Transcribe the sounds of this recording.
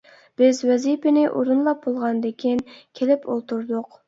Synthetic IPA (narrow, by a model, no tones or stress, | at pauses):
b̥ɪzwɛzipɪnɪʔoɾunlˠɑp̚bolˠʁɑnd̪ekʲʰinkʲʰelɪpolˠt̪uɾd̪ʊq